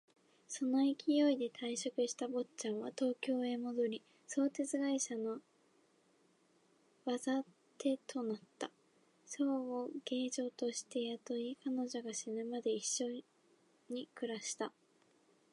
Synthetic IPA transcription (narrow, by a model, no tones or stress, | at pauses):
so̞noikʲijo̞id̪e̞t̪ʰaiɕo̞kɯ̟ɕi̥t̪abo̞t͡ɕãɰ̃βat̪o̞ːkʲo̞ːe̞mo̞d̪o̞ɾʲi | so̞ːt̪e̞t͡sɨɡaiɕano̞ | βaza | t̪e̞t̪ʰo̞nat̪ːa | soːoɡ̥e̞ːʑo̞ːt̪o̞ɕi̥t̪e̞jat̪o̞ikano̞ʑo̞ɡaɕinɯmad̪e̞iɕːo̞ | ɲ̟ikɯ̟ɾaɕi̥t̪a